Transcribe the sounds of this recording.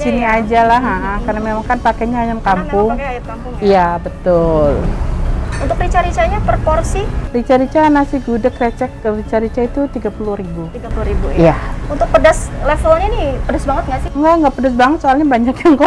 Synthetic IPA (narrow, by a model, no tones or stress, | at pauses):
siniad͡ʒalaɦaʔakarnamemaŋkanpakɛɲaajamkampʊŋ | ijabət̪ʊl | unt̪ʊkɾit͡ʃaɾit͡ʃaɲapərporsirit͡ʃaɾit͡ʃanasɪhɡudakrɛt͡ʃɛk̚rit͡ʃaɾit͡ʃait̪ut̪iɡapulʊhɾibu | auibuijaunt̪ʊk̚pədaslɛfloɲanipədasbaŋət̪̚ŋɡasɪŋɡaŋɡapərdas̬baŋət̪soalɲabaɲakjaŋkɔ